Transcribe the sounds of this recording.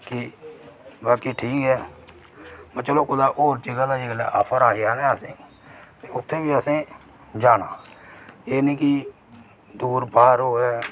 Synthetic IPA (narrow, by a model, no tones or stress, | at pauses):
kɪ | baːkiːʈʰiːkɦɛː | mət͡ʃəloːkʊd̪aːʔoːɾt͡ʃiːɡaːd̪aːd͡ʒɪːɡlɛ̰ːʔəpʰəɾaːɪjaːnɛ̃ːəsẽː | t̪eːʊt̪ʰːeːbiːəsẽː | d͡ʒaːnãː | eːnĩːki | d̪uːɾbaːəɾɦoːɦɛː